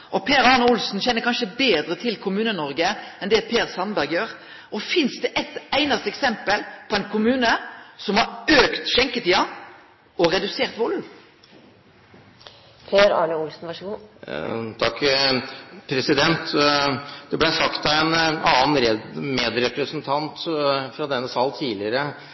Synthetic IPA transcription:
ʔɔpʰeːɾɑːnəʊlsn̩çɛnːəɾkʰɑnʂəbeːd̪ɾət̪ʰɪlkʰʊmʉːnənɔʁɡəɛnd̪ɛpʰeːɾsɑnbæʁɡjøːɾ | ʔɔfɪnsd̪ɛʔɛt̪æɪnɑst̪əɛksɛmpəlpʰɔæɪnkʰʊmʉːnəsɔmhɑɾøːkt̪ʃɛŋkət̪ʰiːɑ | ɔɾɛd̪ʉseːʁt̪ʋʊlʉm | pʰeːɾɑ̰ːɳəʊlsn̩ʋɑʂəɡuː | t̪ʰɑkː | pʰɾɛsɪd̪ɛnt̪ | d̪̥ɛblæsɑkt̪ɑɛnɑːnɾɛmeːd̪ɾɛpɾəsnt̪ʰɑnt̪fɾɑd̪ɛnːəsɑːlt̪ʰiːlɪəɾə

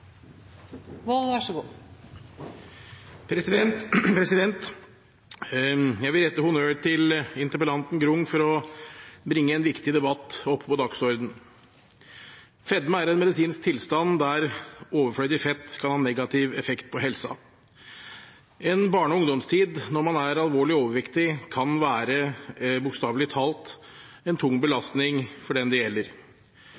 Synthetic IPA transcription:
ʋɔlʋɑʂəɡuː | pʰɾɛsɪd̪ɛnpʰɾɛsɪd̪ɛnt̪ | jæɡʋɪlɾɛt̪ːəhʊnøːʈʰɪlɪnt̪əɾpəlɑnt̪n̩ɡɾʊŋːfɔɾɔ | bɾɪŋːəɛnʋɪkt̪ɪd̪ɛbɑt̪ːɔpʰːpɔd̪ɑksɔɾd̪n̩ | fɛd̪məæɾɛnmɛd̪ɪsiːnsk̚t̪ʰɪlst̪ɑnd̪æɾoːʋəɾfɭœʏd̪ɪfɛt̪ːkʰɑnhɑːnɛɡɑt̪ʰɪʋɛfɛkt̪pʰɔɦɛlsɑ̰ | ɛnbɑːɳɔʊŋd̪ɔmst̪ʰiːd̪nɔɾmɑnæɾɑlʋoːɭɪoːʋəɾʋɪkt̪ɪkʰɑnʋæːɾəbʊkst̪ɑːʋlɪt̪ʰɑːlt̪ | ɛnt̪ʰʊŋːbəlɑst̪nɪŋfɔɖɛnd̪ɛjɛlːəɾ

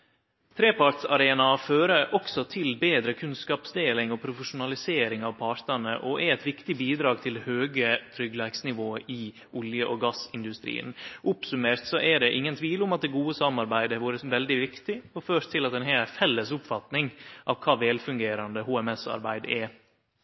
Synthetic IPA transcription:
t̪ʰɾeːpɑɾʈ̪sɑɾeːnɑføːɾəɾʔɔksɔt̪ʰɪlbeːd̪ɾəkʰʉnskɑːpsd̪eːlɪŋɔpʰɾʊfəʂʊnɑlɪseːɾɪŋɑʋpʰɑɾt̪əɳə̰ʔɔʔæɾɛt̪ʋɪkt̪ɪbiːd̪ɾɑːɡ̚t̪ʰɪlhøːɡət̪ʰɾʏɡlæɪksnɪʋoːəʔɪ | ʔʊljəʔɔɡɑsɪnd̪ʉst̪ɾḭːə̰nʔʊpsʉmeːɾt̪sɔʔɛɖɛʔɪŋːənt̪ʰʋiːlʊmɑt̪̚d̪ɛɡuːəsɑmɑɾbæɪd̪əʋuːɾəʋɛld̪ɪʋɪkt̪ɪɔføːʂt̪ʰɪlɑt̪ɛnɦɛːləfɛlːəsʊpfɑt̪nɪŋʔɑʋkʰɑːʋɛlfʉŋɡeːɾɑnd̪əhuːɛmɛsɑ̰ɾbæɪd̪ɛ

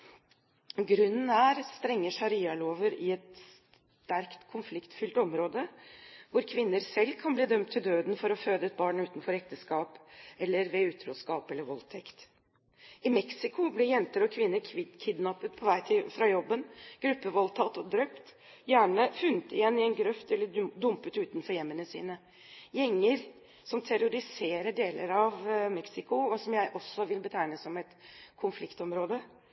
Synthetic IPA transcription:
ɡɾʉnːn̩æɾst̪ɾɛŋːəʂɑɾiːɑloːʋəɾɪɛt̪s | t̪æɾkt̪kʰʊnflɪkt̪fʏlt̪ɔmɾoːd̪əʋʊɾkʰʋɪnːəɾsɛlːkʰɑnbliːd̪œmt̪ʰːɪld̪øːd̪nfɔɾɔføːd̪əɛt̪̚bɑːɳʉːt̪n̩fɔɾɛk̚t̪əskɑːpɛlːəɾʋɛʉːt̪ʰɾuːskɑːpɛlːəɾʋɔlt̪ʰɛkt̪ | ɪmɛksɪkʊblɪɾjɛnt̪əɾɔkʰʋɪnːəɾʰkʰɪd̪nɑpːət̪̚pʰɔʋæɪt̪ʰɪfɾɑjɔbːənɡ̥ɾʉpːəʋɔlt̪ʰɑt̪ːɔd̪ɾœʏpt̪ | jæːɳəfʉnːət̪ɪjɛnːɪɛnɡɾœft̪ɛlːəd̪ʊmpət̪ʉːt̪nfɔɾjɛmːənəsḭːnə | jɛŋːəɾ | sɔmt̪ʰæɾʊɾɪseːɾəɖeːlə̰ɾɑʋmɛksɪkʊɔsɔmjæɪʔɔsːɔʋɪlbət̪ʰæɪnəsɔmɛt̪kʰʊnflɪkt̪ɔmɾoːd̪ə

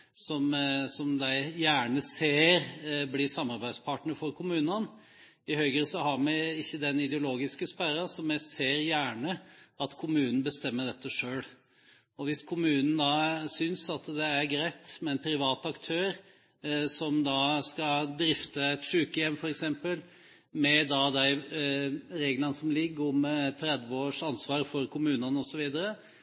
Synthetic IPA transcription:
sɔmsɔmd̪æɪjæːɳəseːɾblɪsɑmɑɾbæɪd̪spʰɑʈɳəɾfɔɾkʰʊmʉːnən | ɪhœʏɡəsɔɦɑɾmæɪɪçːəd̪ɛnɪd̪ɛʊloːɡɪskəspæɾɑsɔmːæɪseːɾjæːɳəɑt̪kʰʊmʉːnn̩bəst̪ɛmːəɖɛt̪ːəʂøːɽ | ɔʋɪskʰʊmʉːnn̩d̪ɑːsʏnsɑt̪d̪ɛæɾɡɾæɪt̪mɛɛnpʰɾɪʋɑːt̪ɑkt̪ʰøːɾ | sɔmd̪ɑskɑd̪ɾɪft̪əɛt̪ʂʉːkəjɛmːfɔɾɛksɛmpəl | mɛd̪ɑd̪æɪ | ɾeːɡlɑnəsɔmlɪɡːɔmt̪ʰɾɛd̪ʋəoːʂɑnsʋɑːɾfɔɾkʰʊmʉːnənəɔsɔʋiːd̪əɾə

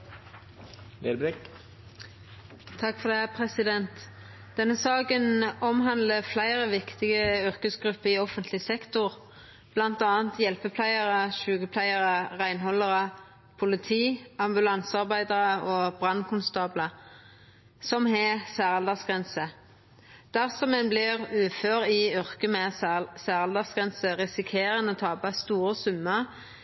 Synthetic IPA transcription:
lebɾɪk | t̪ʰɑkfɔʁd̪ɛhæpʰʁɛsɪd̪ɛnt̪ | d̪̥ɛnːəsɑːkənɔmɦɑnd̪ləflæɪʁəʋɪkt̪ɪɡəʏʁkəsɡʁʉpːəɪɔfənt̪ʰlɪsɛkt̪ʊʁ | b̥lɑnt̪ɑːənt̪jɛlpəpʰlæɪəʁəʃʉːɡəpʰlæɪəʁəʁæɪnhɔləʁə | pʰʊlɪt̪ʰiːɑmbʉlɑnsɑʁbæɪd̪əʁəʔoːbʁɑnkʰʊnst̪ɑːblə | sɔmhɛsæːʁɑld̪ɑsɡʁɛnsə | d̪̥æʁsɔmɛnblɪʁʉːføːʁɪʏʁkəmɛsæːʁɑld̪ɑsɡ̥ʁɛnsəʁɪsɪkʰeːʁənəoːt̪ʰɑːbɑst̪uːɾəsʉmːə

